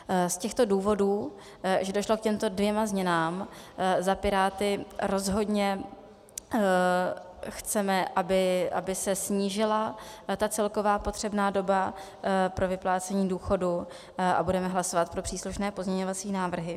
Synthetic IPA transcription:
scɛxt̪o̞duːvo̞duː | ʒɛdo̞ʃlo̞kcɛmt̪o̞dvjɛmazɲɛnaːmzapɪɾaːt̪ɪɾo̞zɦo̞dɲɛ | xt͡sɛmɛʔabɪʔa̰bɪsɛsɲiːʒɪlat̪at͡sɛlko̞vaːpo̞t̪r̝̥ɛbnaːdo̞ba | pɾo̞vɪplaːt͡sɛɲiːduːxo̞du | ʔa̰budɛmɛɦlasovat̪̚pɾo̞pr̥iːsluʃnɛːpo̞zɲɛɲo̞vat͡siːnaːvr̩ɦɪ

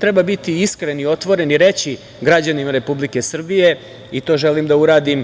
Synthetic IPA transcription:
t̪ɾebabit̪iiskɾenio̞t̪ʋo̞ɾe̞niɾe̞t͡ɕi | ɡɾad͡ʑanimaɾe̞publike̞sr̩bije̞ | it̪o̞ːʒe̞limd̪auɾaːd̪im

